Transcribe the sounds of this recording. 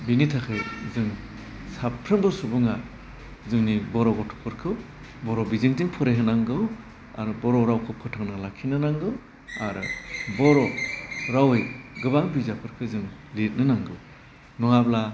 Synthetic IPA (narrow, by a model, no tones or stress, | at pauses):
binitʰakʰɯjzɯŋ | sapʰɾɯmbɯsubɯŋa | zɯŋnibɔɾɔɡɔtʰɔ̥pʰɯɾkʰɯw | bɔɾɔbizɯŋzɯŋpʰɯɾejɦɯnaŋɡɯw | a̰ɾɯbɔɾɔɾawkʰɯpʰɯtʰaŋnalakʰinɯnaŋɡɯw | aɾɯbɔɾɔɾawejɡɯbaŋbizapʰɯɾkʰɯzɯŋlit̚nɯnaŋɡɯw | nɔŋabla